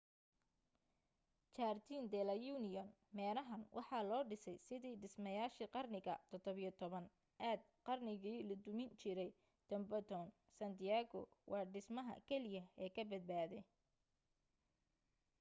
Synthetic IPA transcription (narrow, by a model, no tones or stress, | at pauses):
t͡ʃaːrt̪ind̪ɛlɐjuːnɪɔn | mɛːlɐɦɐnwʔɑ̰ħɑːlɔːɖɪsɛjsɪðiːɖɪsmɐjaːʃiːqɑrnɪɣɐ̰t̪ʰɔd̪ɔβijɔt̪ʰɔβɐn | ʔaːd̪̚qɑrnɪɣiːlɐd̪ʊmɪnt͡ʃɪɾɛj | t̪ɐmbɐt̪ʰɔn | sɐnd̪ɪjaːɣɔ̰wʔɑːɖɪsmɐɦɐ̰kʰɛlɪjɐɛːkʰɐbɐd̪̚baːðɛj